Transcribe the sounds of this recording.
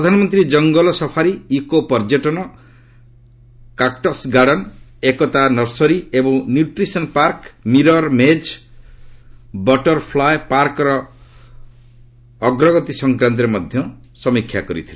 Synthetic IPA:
pɔd̪ʱanɔmɔnt̪ɾid͡ʒɔŋɡɔlɔsɔpʰaɾiːkopɔɾd͡ʒeʈɔnɔ | kakʈɔsɡaɽɔn | ekɔt̪anɔɾsɔɾiebɔŋnjuʈɾisɔnpaɾkmiɾɔɾmed͡ʒ | bɔʈɔɾpʰlajpaɾkɔɾɔ | ɡɾɔɡɔt̪isɔŋkɾant̪̬ɔɾemɔd̪ʱjɔ | sɔmikʰːjakɔɾḭt̪ʰile

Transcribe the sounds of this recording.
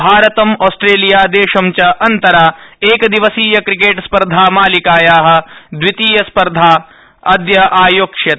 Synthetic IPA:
bʱaːɾɐt̪ɐmoːsʈɾeːlijaːd̪eːʃɐmt͡ʃɐʔɐnt̪ɐɾaːeːkɐd̪iʋɐsiːjɐkɾikeːʈspɐɾd̪ʱaːmaːlikaːjaːɦɐ̆d̪ʋit̪iːjɐspɐɾd̪ʱaː | ɐd̪jɐʔaːjoːkʂjɐt̪

